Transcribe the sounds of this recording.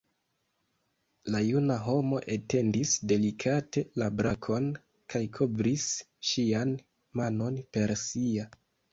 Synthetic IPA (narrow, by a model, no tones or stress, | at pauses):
lajunaɦo̞mo̞ʔete̞ndisde̞likʰate̞labɾakʰo̞n | kʰajkʰo̞bɾis | ʃian | mano̞npe̞ɾsia